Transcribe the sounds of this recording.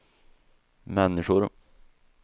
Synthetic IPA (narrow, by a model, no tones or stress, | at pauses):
mɛnːɪɧʊɾ